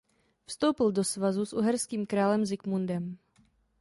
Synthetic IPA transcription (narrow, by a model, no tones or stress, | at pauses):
fst̪owpɪldosvazusʔṵɦɛɾskiːmkɾaːlɛmzɪkmundɛm